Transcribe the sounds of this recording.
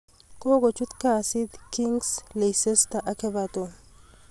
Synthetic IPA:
kʼoːɡɔt͡ʃːʊt̪kasɪd̪kɪŋɡslɛjsɛst̪ɐʔɐkɛbat̪o

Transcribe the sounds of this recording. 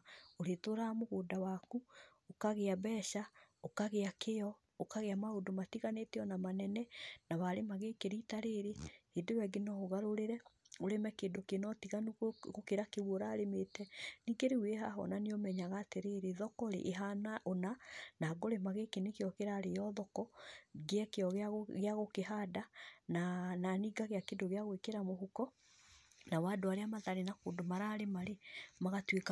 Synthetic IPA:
oɾetoɾamoɣoːdawaku | okaɣeabɛʃaokaɣeakejɔ | okaɣeamaodomatiɣaneːteɔnamanɛnɛnawaɾemaɣekeɾitaɾeɾehedewɛɡenɔoɣaɾoɾeɾɛoɾemɛkeːdokenɔtiɣanɣokeɾakeβwoɾaːɾemetɛniːɡeɾeweɦaɦɔ̰naneomɛɲaɣaːteɾeːɾeðɔkɔɾḛʔːɦanaʔonanaːɡoɾemaɣekenekeɔkeɾaːɾejɔðɔkɔɡeɛkeɔɣɣeaɣokeɦadanananiːɡaɣeakeːndoɣeaɣwekeɾamoɦukɔ | nawadoaɾeamaðaɾenako̰ːndomaɾaːɾemaɾemaɣatweka

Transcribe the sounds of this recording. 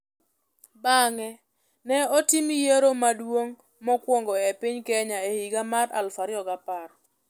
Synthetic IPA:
baŋɛ | nɛɔtimijeɾomadwoŋ | mɔkwɔŋɡɔɛpɪɲkɛɲaehiɡamaɾa̰lfaɾɪɔɡapaɾɔ

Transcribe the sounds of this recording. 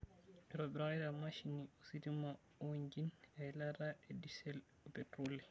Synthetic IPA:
ɓiɾɔbɛɾaɛɾamaʃiniositima | oɲd͡ʒinɛjlaɾaɛdisɛl | ɔpɛtɾoli

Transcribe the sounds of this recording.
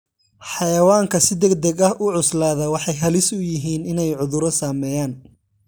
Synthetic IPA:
ħɑjɐwaːŋkʰɐsɪd̪ɛɡd̪ɛɡɐɦʔʊʕʊslaːðɐwɑħɑjɦɐlɪsʊjɪɦiːnɪnɛjʕʊðʊɾɔsaːmɛːjaːn

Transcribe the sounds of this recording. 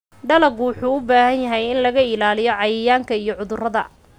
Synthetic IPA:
ɖɐlɐɡʊwʊħuːʊbaːhɐnjɐɦɛjɪnlɐɣɐɪlaːlɪjɔʕɑjɪjaːŋkʰɐijɔʕʊðʊrɐðɐ

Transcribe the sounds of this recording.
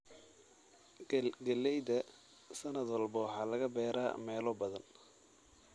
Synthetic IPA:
ɡɐlɛjðɐ | sɐnɐd̪wɑlbɐwħɑːlɐɣɐbɛːɾa̰ːmɛːlɔbɐðɐn

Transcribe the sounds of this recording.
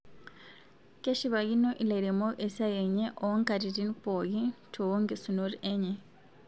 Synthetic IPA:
keʃiβajinoʔileɾemoʔesajeɲeʔoŋkaɾitinipojitʰowoŋɡesunoɾieɲe

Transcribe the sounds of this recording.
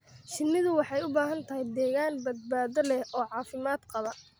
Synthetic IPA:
ʃɪnːɪðʊwɑħɑjʊbaːɦɐnt̪ʰɐɦɛjd̪ɛːɣaːnbɐd̪̚baːðɔlɛhʔɔːʕɑːfɪmaːd̪qɑβɐ

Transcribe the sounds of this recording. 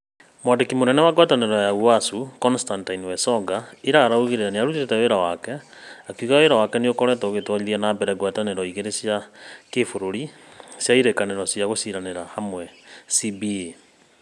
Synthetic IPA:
mwadekimonɛnɛwaɡwataneɾɔjauasukɔnstantainwɛsɔɡaiɾaaɾaoɣeɾejanejaɾuteetɛweɾawakɛ | akuɣaweɾawakɛneokɔɾɛtɔoɣetwaiðɛnabɛɾɛɡwataneɾɔiɣeɾesjakefoɾoɾi | sjaiɾekaneɾɔsjaɣosiɾaneɾahamwɛsibie

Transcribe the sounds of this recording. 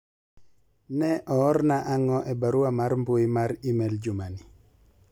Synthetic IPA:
nɛʔɔːrnaʔaŋɔʔɛbaɾuamaɾmboimaɾimɛld͡ʒʊmani

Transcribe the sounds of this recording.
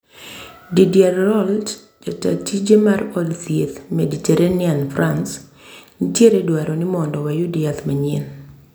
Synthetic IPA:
didiaɾɾɔlt | d͡ʒata̰tid͡ʒemarɔdtijet̪meditɛɾʔanɪanfɾans | nitjeɾedwaɾɔnɪmɔndɔwajudɪat̪maɲḭn

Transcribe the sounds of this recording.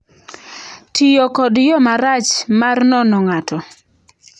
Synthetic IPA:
tʰijɔkɔdjɔmaɾat͡ʃmarnɔnɔŋatɔ

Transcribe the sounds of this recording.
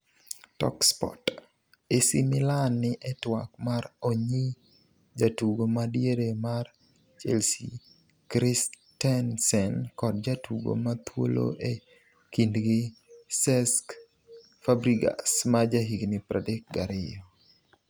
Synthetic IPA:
tɔ̰kspɔ̰t | esimɪlanːɪʔɛtwakmaɾoɲi | d͡ʒatuɡomadjeɾemar | t͡ʃelsḭ | kɾis | tɛnsɛnkɔd̚d͡ʒatuɡo̰mat̪wo̰lo̰ʔe | kindɡɪsɛsk | fabɾiɡa̰smad͡ʒaɦiɡnɪpɾadek̚ɡaɾɪjɔ

